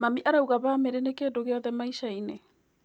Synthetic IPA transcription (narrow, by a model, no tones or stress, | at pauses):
mamiʔaɾauɣaβaːmeɾenekeːdoɣeaðɛmaiʃaine